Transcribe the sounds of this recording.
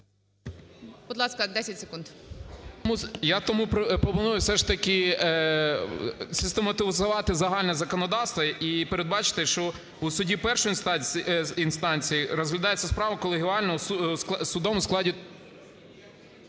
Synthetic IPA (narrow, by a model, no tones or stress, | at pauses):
bʊd̪lˠɑskɐd̪ɛsʲɐtʲsʲe̥kunt̪ | mujat̪ɔmuppɾɔpʊnujʊsɛʂt̪ɐkɪ | sʲɪst̪emɐt̪ɪʋzɐʋɑt̪ɪzɐɦɑlʲnɛzɐkɔnɔd̪ɑwst̪ʋɐipeɾed̪̚bɑt͡ʃɪ̥t̪ɪʃt͡ʃɔ | usʊdʲipɛrʃʊɔj̪ | inst̪ɑnʲt͡sʲijiɾɔzɦlʲɐd̪ɑjet͡sʲːɐspɾɑʋɐkɔlˠɪɦʲiɑlʲnɔ | sʊd̪ɔmʊsklˠɑdʲi